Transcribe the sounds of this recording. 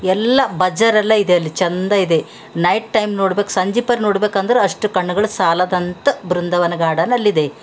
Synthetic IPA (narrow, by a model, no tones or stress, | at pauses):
ɛlːɐbɐd͡ʒɐɾɛlːɐid̪eɐlːit͡ʃɐnd̪ɐid̪e̞ | nɐjʈ̚ʈɐjmnoːɽbeːku̥sɐɲd͡ʒipɐɾnoːɽbeːkɐnd̪ɐɾeɐʂʈukɐɳːuɡɐɭusaːlɐd̪ɐnt̪ɐbɾund̪ɐʋɐnɐɡaːɽɐnɐlːid̪e̞